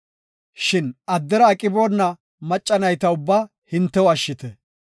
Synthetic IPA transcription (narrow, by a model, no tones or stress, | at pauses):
ʃɪnɐd̪ːɛɾɐːkʼɪboːnːɐ | mɐt͡ʃʼːɐnɐjt̪ɐʊbːaː | hɪnt̪ːɛwɐʃːɪt̪ɛ